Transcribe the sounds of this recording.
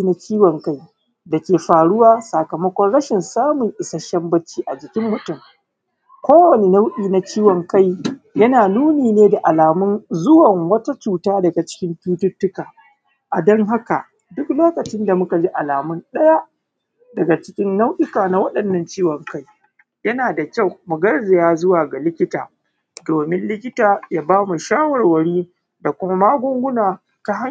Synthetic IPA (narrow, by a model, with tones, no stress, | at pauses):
na˦t͡ʃiː˦wɔ˨ŋka˦j | dɐ˨kʲeː˨ɸaː˨ɽʊ˦waː˦sa˨kɐ˨mɐ˦kʷɔ˦nɽɐ˦ʃɪ˨nsaː˦mʊ˨ŋʔɪ˨sɐ˦ʃɐ˦mbɐ˦t͡ʃːiː˦ʔa˨d͡ʒɪ˨kʲɪ˦mːʊ˦tʊ˨m | kʷoː˦wɐ˨ne˦na˦wʔiː˨na˨˦t͡ʃiː˦wɔ˨ŋka˦j | jɐ˦naː˨nuː˦niː˨neː˦da˨ʔa˨laː˨mʊ˦nzʊ˦wɐ˨ŋwɐ˦ta˦t͡ʃuː˨taː˦dɐ˨ɡa˨t͡ʃɪ̥˦kʲɪ˦mɸuː˦tʊ˦tːʊ˦kaː˨ | ʔa̰˨dɔ˦ŋɦa˦ka̰˨ | dʊ˦kloː˦kɐ˨t͡ʃɪ˦nda˨mʊ˦ka˨d͡ʒi˦ʔa˨laː˨mʊ˦nɗɐ˦ja˦ʔ | dɐ˨ɡa˨t͡ʃɪ˦kʲɪ˦nːa˦wɗɪ˦kaː˨na˦wɐ˦ɗɐ˨nːɐ˦˨nt͡ʃiː˦wɐ˨ŋka˦j | jɐ˦naː˨da˨kʲa˦˨wmʊ˨ɡɐ˦rzɪ˨jaː˦zʊ˦waː˨ɡa˨lɪ˦kʲɪ˦taː˨ | doː˨mɪ˦nlɪ˦kʲɪ˦taː˨ja˦baː˦mu˨ʃaː˦wɐ˨rwɐ˨ɽiː˦ | da˨kʷʊ˦ma˦maː˦ɡʷʊ˦ŋɡʷʊ˦naː˨ | ka˦ɦa˦